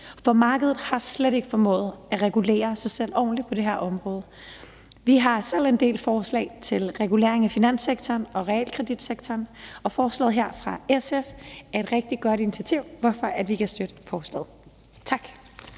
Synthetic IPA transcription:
fɒ̽mɑ̈ːɡ̥əðˠð̩ˠhɑ̈sleɾe̝ɡ̥əfɒ̽mɔ̰ːð̩ˠæʁɛɡ̥ule̝̰ːɐsɑ̈ɪsel̰ɒ̰ːnlipʰɒ̽de̝ɦeɐ̰ʔɒ̽mʁɔ̽ːð̞ˠə | ʋiɦɑ̈sel̰e̝nd̥e̝̰ːlfɒːslɛ̰ɪt͡sʰe̝lʁɛɡ̥ule̝̰ːɐe̝ŋæfinæn̰seɡ̥t͡sʰɒːnɒ̽ʁɛɛ̰ːlkʰʁɛd̥id̥seɡ̥t͡sʰɒːnɒ̽fɒːslɛ̰ːðˠɦeɐ̰fʁɑ̈esefæɐe̝d̥ʁɛɡ̥̚d̥iɡ̥ɒ̽ɾ̥init͡sʰiæt͡sʰiʊ̰ʋɒfɒ̽ʔæd̥ʋikʰæsd̥ød̥ə̥fɒːslɛ̰ːð̩ˠ | t͡sʰɑ̈ɡ̥

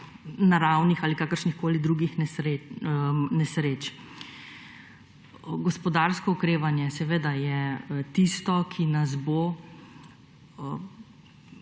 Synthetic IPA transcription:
naɾawnixaːlikaːkəɾʃnixkoːlid̪ɾuɡixnɛɾe | nɛsɾeːt͡ʃ | ɡɔspɔd̪aɾskɔukɾeːʋanjɛsɛʋeːd̪ajɛt̪ist̪ɔkʰinazbo

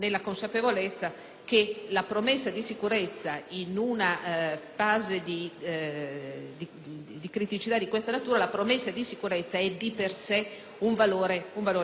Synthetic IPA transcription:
nelːakonsapevolet̪sːa | kelapɾomesːad̪isikuɾet̪sːainunafaːzed̪i | d̪i | d̪ikɾit̪it͡ʃit̪ad̪ikwest̪anat̪uːɾalapɾomesːad̪isikuɾet̪sːaɛd̪ipersɛ | uɱvaloːɾeuɱvaloː

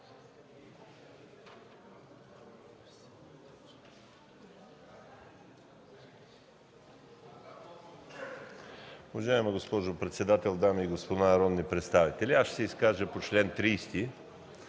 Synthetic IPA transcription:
uvɐʒaɛməɡospɔʒopɾɛt̪sɛd̪at̪ɛlˠd̪amiːɡospod̪anɐɾɔd̪nipɾɛt̪st̪avit̪ɛlʲiasʃsɛiskaʒəpot͡ʃlɛnt̪ɾiːst̪i

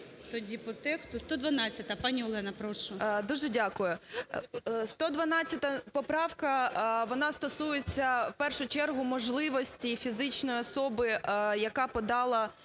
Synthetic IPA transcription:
t̪ɔdʲipɔt̪ɛkst̪ʊst̪ɔd̪ʋɐnɑt͡sʲːɐt̪ɐpɑnʲiɔlˠɛnɐpɾɔʃʊd̪uʒɛdʲakʊjʊ | st̪ɔd̪ʋɐnɑt͡sʲːɐt̪ɐpɔpɾɑwkɐʋɔnɑst̪ɔsujet͡sʲːɐwpɛrʃʊt͡ʃɛrɦʊmɔʒlˠɪʋɔsʲtʲifʲizɪt͡ʃnɔjiɔsɔbɪjɐkɑpɔd̪ɑlˠɐ

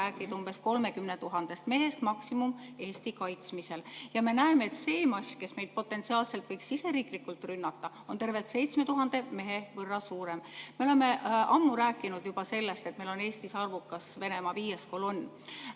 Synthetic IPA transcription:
æːkːˑid̪̥umb̥e̞sko̞lme̞kymnet̪uɦɑnd̪̥e̞st̪me̞ɦe̞st̪mɑksimume̞ːst̪ikɑjt̪smise̞ljɑme̞næemeet̪se̞ːmɑsʲke̞sme̞jd̪̥̚po̞t̪ːˑe̞nt̪siɑːlse̞lt̪vɤjksise̞ɾiːklikːult̪ˑrynːɑt̪ːˑɑ | o̞nt̪e̞rve̞lt̪se̞jt̪sme̞t̪uɦɑnd̪̥e̞me̞ɦe̞vɤrːɑsuːɾe̞mmeo̞le̞me̞ʔʔɑmːuɾæːkːˑinud̪̥jub̥ɑse̞lːe̞st̪e̞t̪meilo̞ne̞ːst̪isɑrvukːˑɑsve̞ne̞mɑviːjeskolonː

